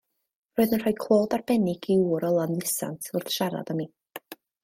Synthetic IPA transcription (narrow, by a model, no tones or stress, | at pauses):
roɨðənr̥ajkʰlˠoːdarbɛnɪɡiuːɾɔlˠanlˠɪsa̰ntʰʊrðʃaɾa̰dəmiː